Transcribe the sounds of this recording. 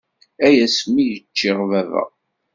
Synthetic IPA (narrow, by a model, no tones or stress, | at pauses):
æjæsmijət͡ʃːɪʁvævæ̰ʁ